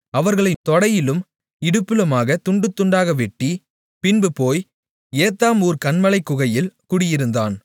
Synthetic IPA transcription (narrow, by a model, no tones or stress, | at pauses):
ɐʋɐɾɣɐɭɐɪt̪ːɔɽɐjɪlɯm | ɪɽɯpːɯlɐmaːɣɐt̪ʊɳɖɯt̪ːʊɳɖaːɣɐʋɛʈːi | pɪnbɯpoːj | eːt̪ːaːmuːɾkɐɳmɐlɐɪkːʊɣɐjɪlkʊɽɪjɪɾɯnd̪aːn